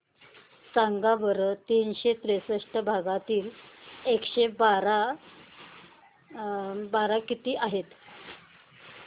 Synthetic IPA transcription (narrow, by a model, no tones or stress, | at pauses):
saŋɡaʋəɾət̪inɕet̪ɾesəʂʈəbʱaɡat̪iːlekɕebaɾa | baɾakit̪iːʔaɦet̪